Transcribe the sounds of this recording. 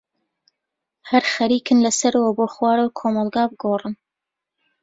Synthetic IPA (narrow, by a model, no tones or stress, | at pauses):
hɐɾxɐɾiːkɨnlɐsɐɾɐwɐboːxwɑːɾawkʰoːmɑlˠɡɑːbɨɡoːrɨn